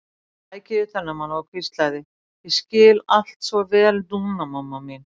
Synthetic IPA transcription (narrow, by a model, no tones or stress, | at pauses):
aːjcɪðʏθɛnːamanhavakʰvɪst̪lajðɪ | jɛscɪːlal̥t̪svaɾvɛːlt̪unamamːamɪn